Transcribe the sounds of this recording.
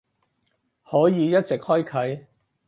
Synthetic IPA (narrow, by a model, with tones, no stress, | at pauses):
hɔː˨˥jiː˨˧jɐ˥t̚t͡sɪ˨k̚hɔː˥jkʰɐ˨˥j